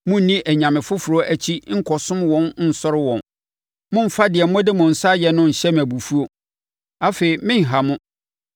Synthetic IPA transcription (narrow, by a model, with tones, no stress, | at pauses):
mʊ̃˦n̩˦nĩ˦ʔæ˨ɲã˨mɪ̃˨fʊ˦fʊ˨ɾɔ˦ʔæ˨t͡ɕʰi˦ŋ̩˦kʰɔ˨sʊ̃˦mwɔ̃˨nn̩˦˨sɔ˦ɾɪ˦wɔ̃˨n | mʊ̃˦m̩˨fa˦dɪ˨ɛ˨m̩˦mɔ̃˦dɪ˦mʊ̃˨n̩˨sa˦jɛ˨nʊ̃˦n̩˨ɕɛ˦m˨æ˨bu˨fu˦o˦ | a˦feː˨i˨mɪ̃˦ŋ̩˨ɦa˨mʊ̃˦